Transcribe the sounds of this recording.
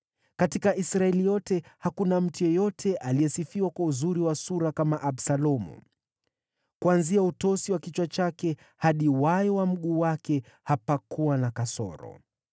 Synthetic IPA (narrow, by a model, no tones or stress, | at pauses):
katikaʔisɾaɛlijɔtɛhakunam̩tujɔjɔtʰɛʔaliɛsifiwakwauzuɾiwasuɾakamaʔaɓsalɔmṵ | kuanziautɔsiwakit͡ʃwat͡ʃakɛ | haɗiwajɔwam̩ɠuːwakɛ | hapakuwanakasɔ̰ɾɔ̰